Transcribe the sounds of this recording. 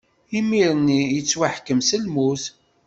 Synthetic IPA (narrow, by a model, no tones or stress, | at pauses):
imiɾənːijət͡sːwaħkːəmsəlmuθ